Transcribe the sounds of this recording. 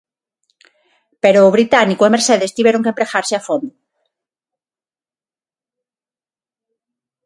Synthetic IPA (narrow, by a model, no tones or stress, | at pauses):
peɾoːβ̞ɾit̪anikoemeɾseðest̪iβjeɾoŋkempɾexaɾseafond̪o